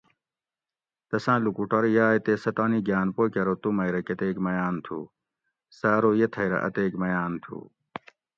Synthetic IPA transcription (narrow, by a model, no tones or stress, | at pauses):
t̪ɐsãːlukuʈɐɾjaːjt̪esɐt̪aːniɡjaːnpoːkɐɾot̪umɐjɾɐkɐt̪eːkmɐjaːnt̪ʰṵ | saːɾoːjet̪ʰɐjɾɐ̰ʔɐ̰t̪eːkmɐjaːnt̪ʰṵ